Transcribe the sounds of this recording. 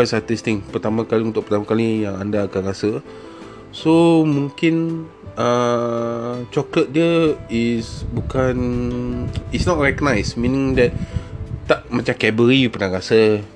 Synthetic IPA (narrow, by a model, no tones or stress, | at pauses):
sat̪ist̪ɪŋpət̪amãkaliunt̪ʊk̚pə̥rt̪amakalijaŋandaːkanɾasə | somũŋkɪn | ə | t͡ʃɔklət̪̚diəisbukan | isnɔt̚ɹɛkənajsminɪ̃ŋdɛt̪̚t̪ːaʔmat͡ʃamkɛbəɾipənaɾasə